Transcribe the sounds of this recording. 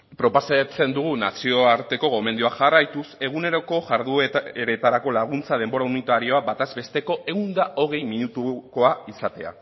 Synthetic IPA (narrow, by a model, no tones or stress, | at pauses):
pɾo̞pasat͡se̞nd̪uɣunasio̞aɾt̪e̞ko̞ɣo̞me̞nd̪uaʝarajt̪use̞ɣ̞une̞ɾo̞ko̞ʝaɾðueɾe̞t̪aɾako̞laɣ̞unt͡sað̞e̞mbo̞ɾaunit̪aɾio̞abat̪azbe̞st̪e̞ko̞ʔe̞wnd̪ao̞ɣ̞e̞jminut̪uko̞aisat̪e̞a̰